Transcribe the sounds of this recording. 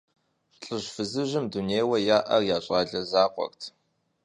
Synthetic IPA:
ɬʼɨɕfɨzɨʑɪmduneːjwɐjaːʔɐrjaːɕʼɑːɮɐzaːqʷʼɔ̰rtʰ

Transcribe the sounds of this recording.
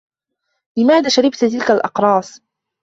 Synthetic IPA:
lɪmaːðaːʃaɾɪbt̪t̪ɪlkalʔɑqɾˤɑːs

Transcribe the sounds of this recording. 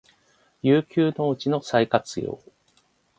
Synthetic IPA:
jɨːkʲɨːno̞ɯt͡ɕino̞saikat͡sɨjo̰ː

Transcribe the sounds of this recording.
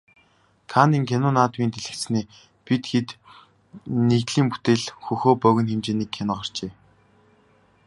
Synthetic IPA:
kʰaniːŋkʰʲenʊːnaːt̪miːnt̪ʰeɮɘ̆kt͡s̪t͡sniː | pit̪xet̪ | net̪ɮiːmpu̥t̪eːɮxɵxoːpœɣʲɘ̆nxemt͡ɕeːniːkʰːenʊχar̥t͡ɕeː

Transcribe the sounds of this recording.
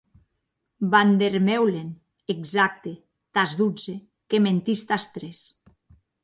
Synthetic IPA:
band̪eɾmewlen | eɡzak̚t̪e | t̪azd̪ud͡ze | kement̪ist̪ast̪ɾes

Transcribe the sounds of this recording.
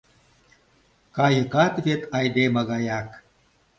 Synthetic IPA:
kɑjɤ̆kɑt̪βet̪ʰɑjd̪emɑɣɑjɑk

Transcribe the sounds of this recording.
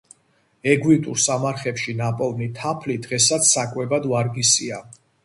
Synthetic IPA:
ɛɡwit̪ʼuɾsamaɾχɛpʃinapʼɔlˠnit̪ʰapʰlid̪ʁɛsat̪sʰsakʼwɛbad̪vaɾɡisia

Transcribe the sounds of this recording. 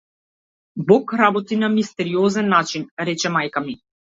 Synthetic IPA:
bɔkɾabɔt̪inamist̪ɛɾiɔzɛnːat͡ʃinɾɛt͡ʃɛmajkami

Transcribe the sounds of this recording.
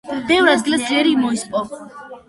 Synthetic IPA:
b̥ɛvɾad̪ɡilɛsɛɾimɔispʼɔ

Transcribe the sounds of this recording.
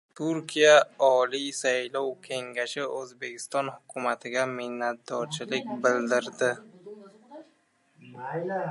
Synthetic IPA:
t̪ʰʊɾkʲʰijaɒlisajlɒwkʲʰe̞ŋɡʲaʃɪɵzbe̞kʲʰɪ̥st̪ɒnhʊkʰʊmat̪ʰɪɡʲamɪhnːat̪̚d̪ɒɾt͡ʃʰɪlɪk̚ʲbɪld̪ɪɾd̪ɪ

